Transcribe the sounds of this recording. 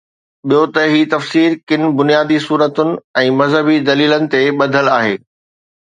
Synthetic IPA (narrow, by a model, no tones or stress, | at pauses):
ɓijot̪ɐɦiːt̪ɐfsiːɾkɪn̆bʊnijaːd̪isuːɾət̪ʊnɪ̆ɛ̃ːmɐzɦəbid̪ɐliːlənɪ̆t̪eɓɐd̪ʱəlaːɦeː